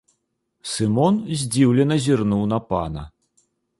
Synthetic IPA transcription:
sɨmɔnzʲd͡zʲiwlʲɛnɐzʲirnuwnɐpanɐ̰

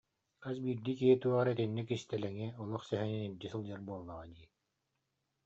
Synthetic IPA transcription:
asbiːɾd̪iːkiɦit̪uɔʁaɾat̪inːikist̪ɛlɛŋiɔlˠuχsɛɦɛninild͡ʒɛsɯlˠd͡ʑaɾbuɔlˠnaʁad̪iː

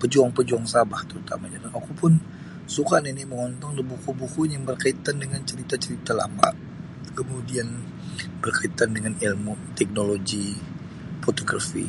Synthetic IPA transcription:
pəd͡ʒuaŋpəd͡ʒuaŋsabaht̪əɾut̪a̰maɲadanakupʊn | sukaniniməŋɔnt̪ɔŋdəbukubukunjaŋbərkait̪andəŋant͡ʃəɾit̪at͡ʃəɾit̪ala̰ma̰ʔ | kəmudian | b̥ərkait̪andəŋanilmut̪ɛk̚noloɡi | fot̪oɡrafḭ

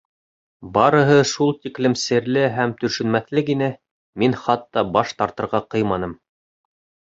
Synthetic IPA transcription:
bɑɾɤ̆ɦɤʃulˠt̪iklɘmsɘ̆ɾlɘɦæmt̪ɵ̆ʃɵ̆nmæθlɘkinɘ | minχɑt̪ːɑbɑʃt̪ɑɾt̪ɤ̆ɾʁɑqɤ̆jmɑnɤm

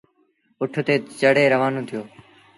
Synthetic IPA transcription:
ʊʈʰt̪eːt͡ʃəɽeːɾəʋaːnõːt̪ʰɪjoː

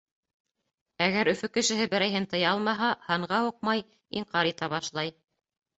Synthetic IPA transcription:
æɣæɾɵ̆fɵkɘ̆ʃɘ̆ɦɘbɘ̆ɾæjɦɘnt̪ɤ̆jɑlˠmɑɦɑhɑɴʁɑuq̚mɑj | iɴqɑɾit̪æβɑʃlˠɑj

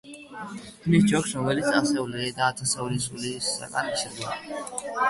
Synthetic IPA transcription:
kʰnis̬d͡ʒɔksɾɔmɛlit̪sʰasɛuliɾɛd̪aːt̪ʰasɛulisulisa̰ɡa̰nt͡ʃʰɛɾd̪i

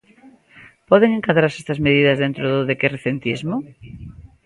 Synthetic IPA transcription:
pɔðeŋeŋkaðɾaɾsest̪ɐzmeð̞iðɐzðent̪ɾoðoðekereθent̪izmo

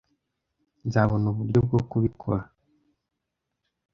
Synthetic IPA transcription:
nzaβonuβuɾɟob̚ɡokuβikʰo̰ɾa

